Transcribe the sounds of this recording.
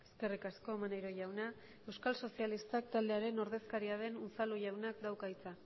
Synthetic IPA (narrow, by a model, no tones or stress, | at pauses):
e̞ske̞rikasko̞manejɾo̞ʝawna | e̞wskalso̞sialist̪ak̚t̪ald̪e̞aɾe̞no̞ɾðe̞skaɾiaβe̞nunt͡saluʝawnakd̪awkait͡sa